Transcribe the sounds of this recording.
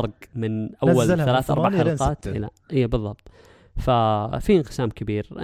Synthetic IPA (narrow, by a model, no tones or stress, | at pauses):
ɑɾˤɡmɪnʔawːalθalaːθʔɑɾˤbaʕħalqɑːt̪ɪ̰lːa | ʔɪjːabɨðˤːɑb̥̚t̪ˤ | fafiɪnqɪ̥saːmkɪbiːɾʔɪ̰